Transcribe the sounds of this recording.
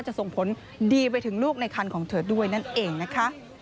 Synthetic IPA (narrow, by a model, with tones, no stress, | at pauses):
a˥˩t͡ɕa˨˩so˨˩ŋpʰo˩˦n | diː˧p̬a˧jt̪ʰɯ˩˦ŋluː˥˩k̚na˧jkʰa˧nkʰɔː˩˦ŋt̪ʰɤː˧˩t̪̚du˥˩əjna˥˩nʔeː˧ŋna˦˥kʰa˦˥ʔ